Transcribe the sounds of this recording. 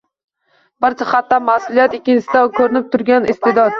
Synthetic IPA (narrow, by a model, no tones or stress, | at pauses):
b̥aɾt͡ʃʰaχat̪ːamasʊlˠijat̪ɪkʲːɪnt͡ʃɪsɪd̪akʰɵɾɪnɪp̚t̪ʰʊɾɡʲanɪst̪ʰɪd̪ɒd̪̚